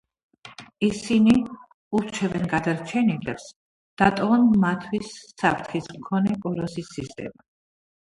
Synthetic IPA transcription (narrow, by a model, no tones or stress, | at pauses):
isini | uɾt͡ʃʰɛvɛnɡad̪aɾt͡ʃʰɛnilɛ̰ps | d̪̥at̪ʼɔɔnmat̪ʰwisːapʰɾt̪ʰχismkʰɔnɛkʼɔɾɔsisːist̪ʼɛ̰ma